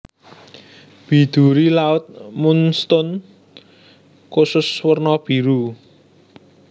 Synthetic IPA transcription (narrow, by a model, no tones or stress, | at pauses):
b̥i̤d̪̥ṳɾilaʊt̪̚munst̪ʊn | kusʊswərnɔb̥i̤ɾu